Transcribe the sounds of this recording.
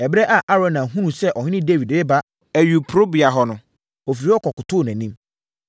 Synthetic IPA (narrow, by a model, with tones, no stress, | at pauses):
ɛ˨bɾɛ˦ʔa˨ʔa˦ɾɔ̃˨nã˨ɦũ˦nũ˨sɛ˦ʔɔ˨ɲɪ̃˦n˦ɪ̃˦de˦vi˨dɪ˦ba˦ | æ˨ɥu˨pʰɾo˦bi˨a˨ɦɔ˨nʊ̃˨ | ɔ˨fi˨ɾi˨˦ɔ˦kʰɔ˨kʊ˨tʰʊː˦˨næ̃˨nĩ˦m